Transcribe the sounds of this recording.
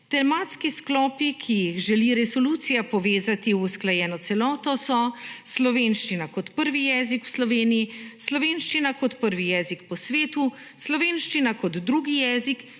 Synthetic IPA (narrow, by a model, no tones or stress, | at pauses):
t̪ɛlmaːt̪skisklɔːpikʰijiɣʒɛliɾɛsɔlut̪sijapɔʋeːzat̪iusklajɛːnɔt̪sɛlɔːt̪ɔsɔslɔʋenʃt͡ʃinakɔt̪pəɾʋijɛːzikwslɔʋeːnijislɔʋeːnʃt͡ʃinakɔt̪pəɾʋijɛːzikpɔsʋeːt̪u | slɔʋeːnʃt͡ʃinakɔd̪ːɾuːɡijɛːzik